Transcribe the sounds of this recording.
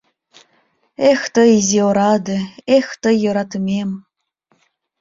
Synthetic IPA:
ext̪ɤ̆izʲioɾɑd̪ɤ̆ext̪ɤ̆jŏɾɑt̪mʲem

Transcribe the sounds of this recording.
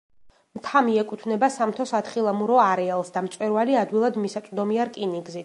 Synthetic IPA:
mt̪ʰamiɛkʼut̪ʰvnɛbasamt̪ʰɔsat̪χilˠamuɾɔaɾɛalˠsd̪amt̪sʼwɛɾvaliad̪wilˠad̪misat̪sʼd̪ɔmiaɾkʼiniɡzi

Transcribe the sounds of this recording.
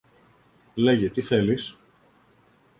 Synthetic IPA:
le̞ʝet̪iθe̞lis

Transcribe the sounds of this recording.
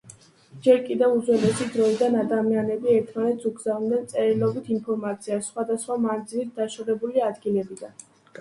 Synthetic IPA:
d͡ʒɛɾkʼid̪ɛvud̪zwɛlɛsid̪ɾɔid̪anad̪amianɛbiɛɾt̪ʰmanɛt̪suɡzavnd̪ɛnt̪sʼɛɾilˠɔbit̪ʰinpʰɔɾmat̪sʰiasχwad̪asχwamand̪zilit̪̚d̪aʃɔʁɛbuliad̪ɡilɛbid̪an

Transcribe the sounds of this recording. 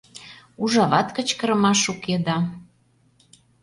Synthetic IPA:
uʒɑβɑt̪kə̆t͡ɕkə̆ɾə̆mɑʃuked̪ɑ

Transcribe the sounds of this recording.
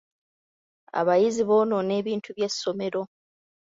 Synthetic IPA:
a̰βajiziβo̞ːno̞ne̞ːβiːntʰuβje̞sːo̞me̞ɾo̞

